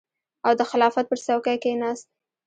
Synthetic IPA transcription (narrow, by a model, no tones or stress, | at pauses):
awd̪əxɪlɑfat̪̚pəɾsawkajkenɑst̪̚